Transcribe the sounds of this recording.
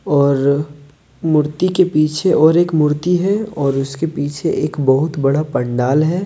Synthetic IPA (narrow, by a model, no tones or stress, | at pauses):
ɔːɾ | mʊɾt̪ikepiːt͡ʃʰeʔɔːɾeːkmʊɾt̪iɦɛɔːɾʊskepiːt͡ʃʰeʔeːkbɐɦʊt̪bɐɽapɐ̃ɳɖaːlɦɛː